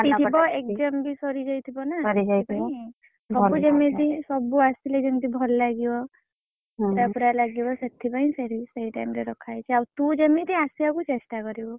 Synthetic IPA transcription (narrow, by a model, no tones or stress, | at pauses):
iibɔek̚d͡ʒɔmbisɔɾid͡ʒajt̪ʰibɔnaɔɾid͡ʒat̪i | bɔud͡ʒemẽt̪ĩsɔbuasiled͡ʒemt̪ibʱɔlɔlaɡibɔ | ɾapuɾalaɡibɔset̪ʰibaĩseɾisejʈajmɾeɾɔkʰajt͡ʃʰiawt̪ũd͡ʒemet̪ĩasiakut͡ʃesʈakɔɾibɔ